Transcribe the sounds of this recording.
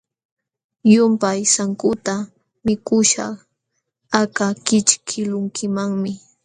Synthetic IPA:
jʊmpajsaŋkʊt̪a | mɪkʊʃɑ̰χ | akakɪt͡ʃkʰɪlʊŋkɪmaŋmɪ

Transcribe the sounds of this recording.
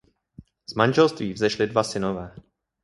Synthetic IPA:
z̥manʒɛlst̪viːvzɛʃlɪdvasɪnovɛː

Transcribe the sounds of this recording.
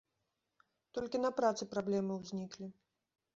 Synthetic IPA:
t̪ɔlʲkʲinɐpɾat̪sɨpɾablʲɛmɨwzʲnʲiklʲi

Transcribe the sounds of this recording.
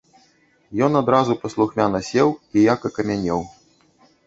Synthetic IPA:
jɔnad̪ɾazupɐslˠuxmʲanɐsʲɛwijakɐkɐmʲanʲɛw

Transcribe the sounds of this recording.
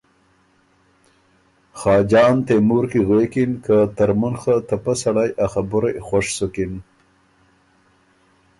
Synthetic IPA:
xɑːd͡ʒɑːnt̪emuɾkiɣekinkat̪aɾmunxət̪apasaɽajaxabʊɾejxaʂsukin

